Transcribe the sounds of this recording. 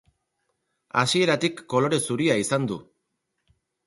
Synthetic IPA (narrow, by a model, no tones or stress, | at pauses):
a̰sie̞ɾat̪ikːo̞lo̞ɾe̞suɾiaisand̪ṵ